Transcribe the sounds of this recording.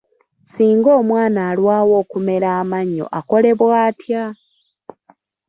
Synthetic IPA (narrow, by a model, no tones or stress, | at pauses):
siːŋɡo̞ːmwaːnaːlwaːwo̞ːkume̞ɾaːmaɲːo̰ʔako̞le̞βwaːtja